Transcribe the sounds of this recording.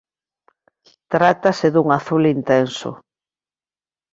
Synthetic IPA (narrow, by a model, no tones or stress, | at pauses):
t̪ɾat̪asɪðuŋaθulint̪ɛnsʊ̰